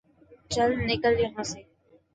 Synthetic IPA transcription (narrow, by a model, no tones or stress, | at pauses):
t͡ʃəlnɪkəljəɦãːseː